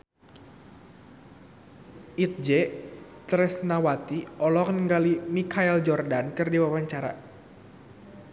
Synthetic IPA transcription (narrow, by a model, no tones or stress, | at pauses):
ʔit̪̚d͡ʒɛt̪ɾɛsnawat̪iɔlɔknəŋɡalimikʰaɛld͡ʒɔrdankɨrdiwawaɲt͡ʃaɾa̰